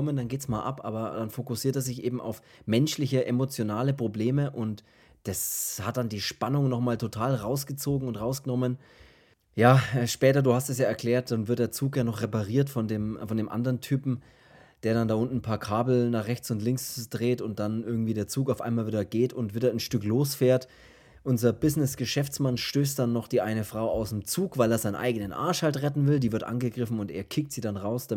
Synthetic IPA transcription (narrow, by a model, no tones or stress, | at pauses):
ɔməndanɡeːtsmaːlʔa̰pʔa̰ːbɐd̥anfokʊsiːɐteːɐzɪçʔeːbm̩ʔa̰ʊfmɛnʃlɪçəʔemot͡sjonaːləpʁ̥obleːməʔʊnt | d̥ashat̚d̥andiːʃpanʊŋnɔχmaːltʰotʰaːlʁaʊsɡ̥ət͡soːɡŋ̩ʊntʁaʊsɡ̥ənɔmən | jaːʔɛːʃpɛːtɐduːhastɛsjaːɛɐklɛːɐt̚d̥anvɪɐt̚d̥eːɐt͡suːkjaːnɔχʁepaʁiːɐtfɔndeːmfɔndeːmʔa̰ndəʁəntʰyːpm̩ | d̥eːɐɾandaːʔʊntn̩pʰaːɐkʰaːbl̩naːχʁɛçt͡sʊntlɪŋksd̥ʁeːtʊnt̚d̥anʔɪɐɡŋ̩tv̥iːdeːɐt͡suːkaʊfʔa̰ɪnmaːlviːdɐɡeːtʊntv̥iːdɐnʃtʏkloːsfeːɐt | ʔʊnzɐbɪznɪsɡ̥əʃɛft͡smanʃtøːstd̥anːɔχd̥iːʔaɪnəfʁ̥aʊaʊsemt͡suːkvaɪleːɐzaɪnənʔa̰ɪɡənənʔa̰ɐʃhaltʁɛtn̩vɪldiːvɪɐtʔa̰nɡəɡʁɪfn̩ʊnteːɐkʰɪk̚tz̥iːdanʁaʊsd̥a